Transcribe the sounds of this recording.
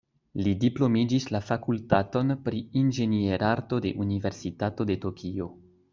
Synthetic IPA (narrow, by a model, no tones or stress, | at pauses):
lidiplo̞mid͡ʒislafakultato̞npɾiind͡ʒe̞nieɾʔaɾto̞de̞̰ʔunive̞ɾsitato̞de̞to̞kʰio̞